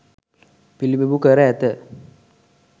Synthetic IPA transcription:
pilibebukəɾəɛt̪ə

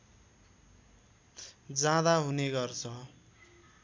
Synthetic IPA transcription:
d͡zãd̪aɦuneɡʌrt͡sʰʌ

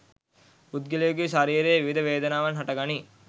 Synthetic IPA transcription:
ud̪ɡilɐjoɡiʃaɾiːɾejʋiʋid̪ɐʋeːd̪ɐnaːʋɐnɦɐʈɐɡani

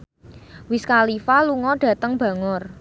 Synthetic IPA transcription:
wɪskalifaluŋɔɖ̥ä̤t̪əŋb̥ä̤ŋʊr

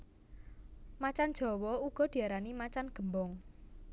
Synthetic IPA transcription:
mat͡ʃand̥d͡ʒʒ̥ɔ̤wɔuɡ̥ɔ̤d̪̥i̤aɾanimat͡ʃanɡ̥ə̤mbɔŋ

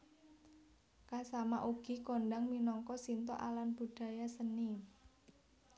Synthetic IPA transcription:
kasamaʔuɡ̥i̤konɖaŋminɔŋkɔsint̪ɔ̰ʔalanb̥ṳɖ̥ä̤jasəni

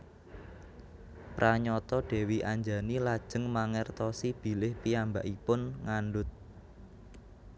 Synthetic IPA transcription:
pɾʔaɲɔt̪ɔɖ̥ɛ̤wiʔaɲd͡ʒa̤nilad̥ʒ̥ə̤ŋmaŋɛrt̪ɔsib̥i̤lɪhpijambaʔipʊnŋanɖʊt̪̚

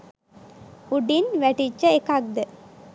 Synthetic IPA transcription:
uɖinʋæʈit͡ʃːəekak̚d̪ə

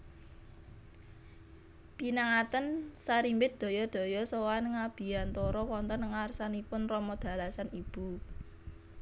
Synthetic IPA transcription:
pinaŋat̪ənsaɾimbɪt̪̚d̪̥ɔ̤jɔd̪̥ɔ̤jɔsowanŋab̥i̤ant̪ɔɾɔwɔnt̪ɔnŋarsanipʊnrɔmɔd̪̥ä̤lasanib̥ṳ

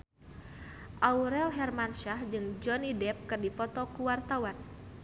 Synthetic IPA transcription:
ʔauɾɛlɦɛrmanʃahd͡ʒɨŋd͡ʒɔnidɛp̚kɨrdipɔt̪ɔkuwart̪awan

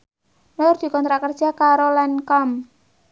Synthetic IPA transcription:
nʊrd̪̥i̤kɔnt̪ɾakərd̥ʒ̥a̤kaɾolɛnkɔm

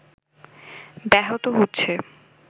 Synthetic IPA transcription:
b̪ɛɦot̪oɦotːɕʰe

